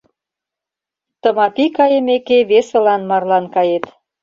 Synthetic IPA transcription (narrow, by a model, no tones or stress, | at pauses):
t̪ə̆mɑpikɑjəmekeβesə̆lɑnmɑrlɑnkɑjet̪